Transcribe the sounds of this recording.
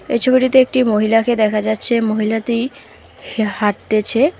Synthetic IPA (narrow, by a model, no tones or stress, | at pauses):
ḛjt͡ɕʰobiʈit̪eek̚ʈimoɦilaked̪ɛkʰad͡ʑatːɕʰemoɦilat̪ij | haɾ̚t̪et͡ɕʰe